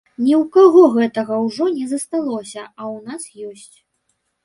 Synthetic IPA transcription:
nʲiwkaɣɔɣɛt̪ɐɣɐwʐɔnʲɛzɐst̪alˠɔsʲɐɐwnasjɔsʲt͡sʲ

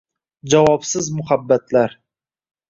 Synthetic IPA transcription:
d͡ʒavɒpsɪzmʊhabːat̪laɾ

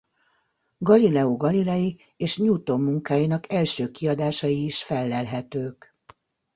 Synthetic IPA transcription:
ɡɒlilɛoɡɒlilɛji | eːʃɲuːt̪omːuŋkaːjinɒkɛlʃøːkiɒd̪aːʃɒjiːʃfɛlːɛlɦɛt̪øːk

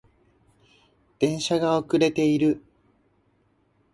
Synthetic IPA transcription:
d̪̥ẽ̞ɰ̃ɕaɡaokɯ̟ɾe̞t̪e̞iɾɯ̟

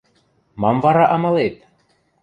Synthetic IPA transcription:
mɑmvɑɾɑʔɑmɑlet̪̚

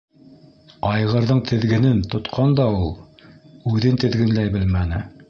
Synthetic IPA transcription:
ɑjʁɤ̆ɾðɤɴt̪ʰɘ̆ðɡɘ̆nɘnt̪ŏt̪qʰɑnd̪ɑulˠ | ʉðɘnt̪ɘ̆ðɡɘ̆nlæjbɘlmænɘ

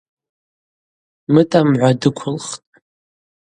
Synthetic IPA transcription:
mɨtʼamʕʷadɨkʷʰʊlχtʼ

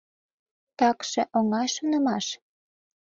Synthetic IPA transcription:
t̪ɑkʃeʔoŋɑjʃonəmɑʃ

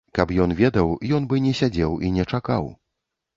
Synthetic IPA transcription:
kapjɔnvʲɛd̪ɐwjɔnbɨnʲɛsʲad͡zʲɛwinʲɛt͡ʂaka̰w

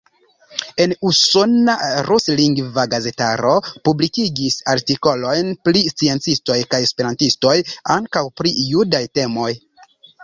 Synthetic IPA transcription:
e̞nusonaɾusliŋɡvaɡaze̞taɾopublikiɡisaɾtiko̞lo̞jnplist͡sie̞nt͡sisto̞jkaje̞spe̞ɾantisto̞jaŋkawpɾiːudajte̞mo̞j

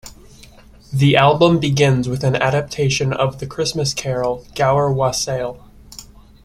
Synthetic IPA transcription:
ðiʔælˠbə̃mbɨɡɪ̃nzwɨðɨ̃næ̰ɾɨp̚tʰeɪʃɨ̃nʌ̰vðɨkʰɹ̥ɪsmɨskʰɛɹl̩ˠɡ̥aʊə˞wɑseɪlˠ

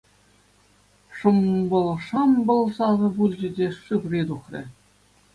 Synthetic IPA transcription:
ʂɤ̆mbɤ̆lˠʂɤmbɤ̆lˠsɑzɤ̆bulʲʑɘ̆dʲeʂukrʲid̪uχrʲɘ̰̆

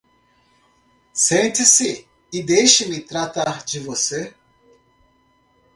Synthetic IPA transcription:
sẽt̪ɪsɪ | ɪd̪ejʃɪmɪt̪ɾat̪aɾd͡ʒɪvose

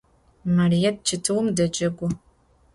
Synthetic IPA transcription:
mɐrijɛd̚t͡ʃʰɨtʰɨwmdɐd͡ʒʼɐɡʷʊ

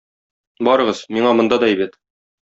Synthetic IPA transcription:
bɒɾɤ̆ʁɤz̥miɴɑmŏnd̪ɑd̪ɒibɘt̪

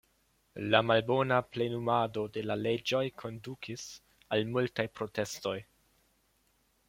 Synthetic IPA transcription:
lamalbo̞naple̞numado̞de̞lale̞d͡ʒo̞jkʰo̞ndukʰis | almultajpɾo̞te̞sto̞j

